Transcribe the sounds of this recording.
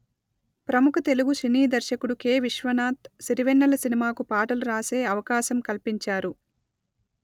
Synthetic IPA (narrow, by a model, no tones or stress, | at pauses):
pɾɐmukʰɐt̪e̞luɡuʃiniːd̪ɐɾʃɐkuɽuke̞ːʋiʃʋɐnaːt̪siɾiʋɛnːɐlɐsinimaːkupaːʈɐluɾaːse̞ːɐʋɐkaːʃɐmkɐlpiɲt͡ʃaːɾu